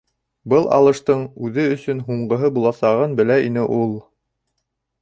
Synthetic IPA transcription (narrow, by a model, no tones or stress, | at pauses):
bɤlˠɑ̰lˠɤ̆ʃt̪ɤɴʉðɘɵ̆sɵnɦuɴɢɤ̆ɦɤbulˠɑsɑʁɤnbɘ̆læinɘʔulˠ